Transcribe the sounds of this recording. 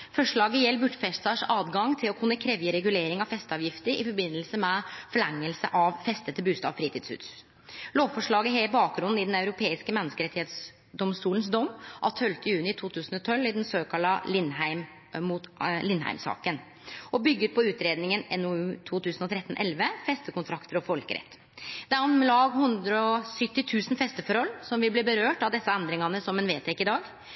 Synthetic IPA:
fɔʂɭɑːɡəjɛlːbʉʈːfɛssɑʂɑːd̪ɡɑŋt̪ʰɪlɔkʰʊnːəkʰɾɛʋjəɾɛɡʉleːɾɪŋɑfɛst̪ɑːʋjɪft̪əɾɪ̰fɔɾbɪnːəlsəmɛfɔɭæŋːəlsə̰ʔɑʋfɛst̪ət̪ːəbʉːst̪ɑ̰ʋfɾiːt̪ʰiːd̪sʉ̰ːt̪s | loːʋfɔʂɭɑːɡəɦeːbɑːk̚ɡ̪ɾʉnn̩ɪd̪ɛnɑʉɾʊpʰeːɪskəmɛnːəskəɾɛt̪ːɪheːt̪s | d̪ɔmst̪uːlənsd̪ɔmːʔɑ̰t̪ʰœlt̪əjʉːnɪt̪ʰuːt̪ʰʉːsn̩ɔt̪ʰɔlɪd̪ɛnsøːkʰɑlɑlɪnhæɪm | mut̪lɪnhæ̰ɪmsɑ̰ːkən | ɔbʏɡːəɾpʰɔʉːt̪ɾeːd̪nɪŋənɛnɔʉːt̪ʰuːt̪ʉːsənɔt̪ʰɾɛt̪ːn̩ʔɛlʋəfɛst̪əkʊnt̪ʰɾɑkt̪əɾɔfɔlkəɾɛ̰t̪ː | d̪̥ɛɔnlɑːɡhʉnd̪ɾəɔsʏt̪ːɪt̪ʰʉːsn̩fɛst̪əfɔɾhɔlsɔmʋɪlbliːbəɾøːʈɑʋd̪ɛsːɑɛnd̪ɾɪŋɑnəsɔmɛːnʋeːt̪ʰɛkːɪd̪ɑːɡ

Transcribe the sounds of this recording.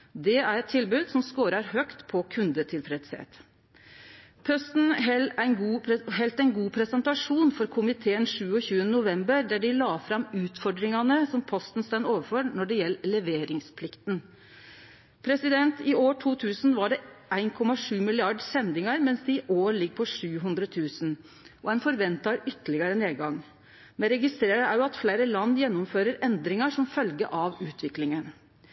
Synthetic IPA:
d̪ɛæɾɛt̪ʰːɪlbʉːd̪sɔmskoːɾɑɾhœkt̪pʰɔkʰʉnd̪ət̪ʰɪlfɾɛd̪shḛːt̪ | pʰœst̪n̩ɦɛæɪnɡuːɦɛlt̪æɪnɡuːpʰɾɛsɛnt̪ɑʂuːnfɔɾkʰʊmɪt̪ʰeːənʂʉːɔçʉːənənʊʋɛmbəɾd̪æɖɪlɑːfɾɑmʉːt̪fɔɖ̪ɾɪŋɑnəsɔmpʰɔst̪n̩st̪ɛnoːʋəɾføɾnɔɖɛjɛlːəlɛʋeːɾɪŋspʰlɪkt̪n | pʰɾɛsɪd̪ɛnt̪ɪoːʈʰuːt̪ʰʉːsnʋɑɖɛæɪnkʰɔmɑʂʉːmɪlɪɑɖsɛnd̪ɪŋɑɾmɛnsd̪ɛɪʔoːɾɭɪɡ̚ːpʰɔʂʉːɦʉnd̪ɾət̪ʰʉːsən | ʔɔɛnfɔɾʋɛnt̪ɑɾʏt̪ːəɭɪɡɑɾəneːd̪ɡɑŋ | mɛnɾɛɡɪst̪ɾeːɾəæɾjʊɑt̪fleɪɾəlɑnd̪jɛnːɔmføːɾəɾɛnd̪ɾɪŋɑʂɔmfœlɡə̰ʔɑʋʉːt̪ʰʋɪklɪŋən

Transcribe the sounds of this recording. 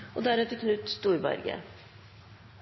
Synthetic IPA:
ʔod̪æːɾɛːt̪əkʰnʉt̪st̪uːɾbɛ̰ɾɡə̰

